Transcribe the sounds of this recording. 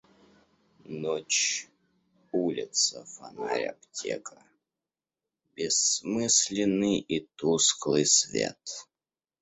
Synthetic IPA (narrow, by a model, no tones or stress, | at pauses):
not͡ɕ | ulʲɪt̪səfɐnaɾʲɐptʲʰḛkə̥ | bʲɪsmɨsʲlʲɪnːɨjit̪usklˠɨjsvʲḛt̪